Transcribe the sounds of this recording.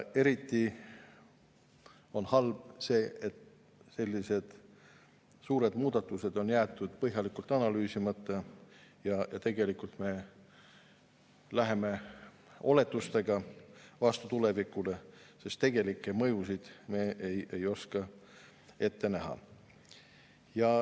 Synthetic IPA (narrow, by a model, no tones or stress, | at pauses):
e̞ɾit̪ˑːi | o̞nhɑlb̥se̞ːet̪ | se̞lʲːise̞d̪̥ | suːɾe̞d̪muːd̪̥ɑt̪ːˑuse̞d̪̥o̞njæːt̪ːˑud̪̥pɤɦjɑlikˑult̪ːˑɑnɑlyːsimɑt̪ːˑɑjɑjɑt̪e̞ɡe̞likult̪me̞ | læɦe̞me̞ | o̞le̞t̪ːˑust̪e̞ɡ̥ɑvɑst̪ut̪ule̞vikule̞se̞st̪ːe̞ɡ̥e̞likːˑemɤjusid̪̥me̞ːejejo̞skɑ | e̞t̪ːe̞næɦɑ̰ | jɑ